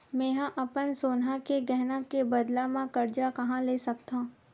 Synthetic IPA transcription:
mẽːɦãʔɐpənsoːnɦakeɡɛɦnakebɐd̪lamãkɐɾd͡ʒakɐɦãleːsɐk̚t̪ã

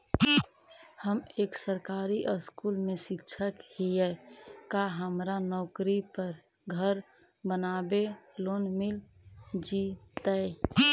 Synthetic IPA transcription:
həmeksəɾkaɾiʔəskulmesitːʃʰəkhiɛkaɦəmɾanɔkɾipəɾ | ɡʱəɾ | bənabelonmil | d͡ʒit̪ə

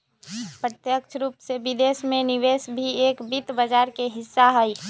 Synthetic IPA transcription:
pɾət̪jəkt͡ʃʰɾuːpsebɪd̪eːsmẽnɪʋeːsbʱieːkbit̪bəd͡ʒaːɾkeɦɪsːaɦəi

